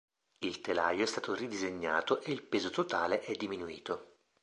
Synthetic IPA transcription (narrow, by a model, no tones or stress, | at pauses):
ilt̪ela̰joɛst̪aːt̪orid̪izeɲːa̰ːt̪oʔeilpeːzot̪ot̪aːleʔɛd̪ːiminuḭːt̪o